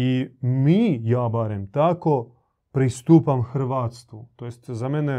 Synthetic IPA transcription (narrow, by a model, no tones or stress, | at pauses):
imiːjaːbaɾemt̪ako | pɾist̪uːpamxr̩ʋaːt̪st̪ʋut̪ojest̪zamene